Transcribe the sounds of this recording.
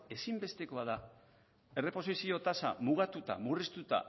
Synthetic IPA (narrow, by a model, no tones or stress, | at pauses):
e̞simbe̞st̪e̞ko̞aða | e̞re̞po̞sisio̞t̪asa̰muɣ̞at̪ut̪a̰murist̪ut̪a̰